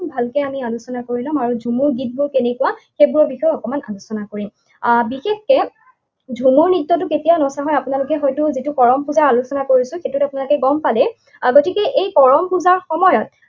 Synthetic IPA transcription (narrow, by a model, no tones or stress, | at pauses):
bʱalkɛamialusɔnakoɹilɔmaɹudʱumuɹɡit̚bʊɹkenɛkwaxebuɹɔɹbixɔjɔɔkɔmana̰lusɔnakoɹim | bixexkɛ | dʱumuɹnitːɔt̬ʊketijanɔsaɦɔjapʊnalʊkɛxɔjtʊzitʊkɔɹɔmpuzaɹalusɔnakoɹisʊ̃xetʊtapʊnalʊkɛɡɔmpalɛ | ɡotikɛʔejkɔɹɔmpʰuzaɹxɔmɔjɔt̚